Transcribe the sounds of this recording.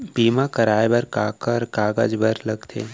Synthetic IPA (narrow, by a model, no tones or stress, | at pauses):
biːmãkɐɾaːjbɐɾkaːkəɾkaːɡə̰d͡ʒbɐɾlɐɡt̪ʰḛː